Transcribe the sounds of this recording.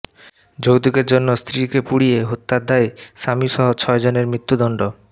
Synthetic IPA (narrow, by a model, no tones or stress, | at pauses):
d͡ʑowd̪uɡeɾd͡ʑonːost̪ʰɾikepuɽieɦut̪ːad̪ʱːaeʃamiʃɔɦot͡ɕʰɔed͡ʑoneɾmɾit̪ːud̪ɔɳɖo